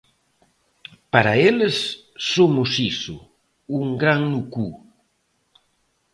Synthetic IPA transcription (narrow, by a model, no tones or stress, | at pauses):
paɾaelesː | omusisṵ | uŋɡɾaŋnuku